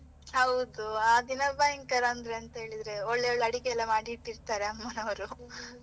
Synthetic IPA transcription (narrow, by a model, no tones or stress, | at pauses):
hɐwd̪uaːd̪inɐbaːjiŋkɐɾaːnd̪ɾe̞ɐnt̪ɐɦe̞ːɭid̪ɾe̞oɭːeoɭːɐɽikeɛlːɐmaːɽiʈːiɾt̪aːɾe̞ɐmːɐnɐʋɐɾu